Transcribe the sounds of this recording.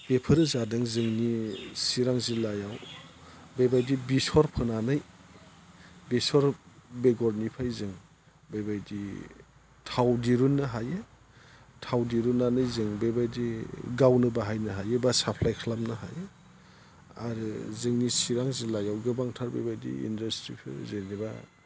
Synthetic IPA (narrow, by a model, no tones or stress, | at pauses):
b̥epʰɯɾɯzadɯŋzɯŋnisiɾaŋzilajaw | bebajdibisɔɾpʰɯnanɯj | bisɔɾbeɡɔɾnipʰajzɯŋ | babajdi | tʰawdiɾunːɯɦajɯ | tʰawdiɾunːanɯjzɯŋbebajdiɡawnɯbaɦajnɯɦajebasapʰlajkʰlamnɯɦa̰jɯ | a̰ɾɯzɯŋnisiɾaŋzilajawɡɯbaŋtʰaɾbebajdḭḭndastɾipʰɯ̰zeniba̰